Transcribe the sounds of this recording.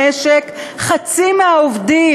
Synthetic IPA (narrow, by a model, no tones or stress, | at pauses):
eʃekχat͡simeaovdi